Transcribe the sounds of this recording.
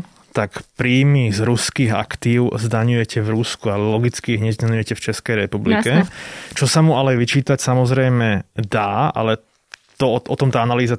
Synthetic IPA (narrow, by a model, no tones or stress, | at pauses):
t̪akpɾiːmizɾuskiːɣa̰kt̪iːʊzd̪aɲujɛcɛvɾuskualɛlɔɡit͡skiiɦɲɛɟɛɲujɛcɛft͡ʃɛskɛjɾɛpublikɛt͡ʃɔsamualɛʋit͡ʃiːt̪acsamɔzɾɛjmɛd̪aːa̰lɛ | t̪ɔɔʔɔt̪ɔmt̪aːanaliːza